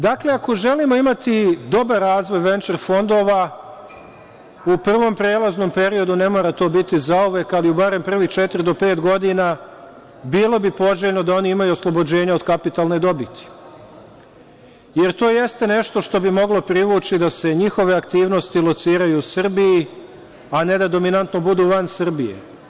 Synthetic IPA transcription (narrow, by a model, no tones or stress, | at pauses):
d̪akle̞ako̞ʒe̞limo̞imat̪id̪o̞baɾːaːzʋo̞jʋe̞nt͡ʃeɾfo̞nd̪o̞ːʋa | upr̩ʋo̞mpɾe̞ːlˠazno̞mpe̞ɾio̞d̪une̞mo̞ːɾat̪o̞ːbit̪izauʋe̞kaliubaɾe̞mpr̩ʋixt͡ʃet̪iɾid̪o̞pe̞ːt̪ɡo̞d̪ina | biːlˠo̞bipo̞ʒeʎno̞d̪ao̞niimajuoslˠobo̞d͡ʑe̞ːɲao̞d̪kapit̪alˠne̞d̪o̞bit̪i̥ | je̞ɾt̪o̞ːje̞st̪e̞ne̞ʃt̪o̞ʃt̪o̞bimo̞ɡlo̞pɾiʋuːt͡ʃid̪ase̞ɲixo̞ʋe̞akt̪iːʋno̞st̪ilˠo̞t̪siːɾajusrbiji | ane̞d̪ad̪o̞minant̪no̞bud̪uːʋansr̩bijḛ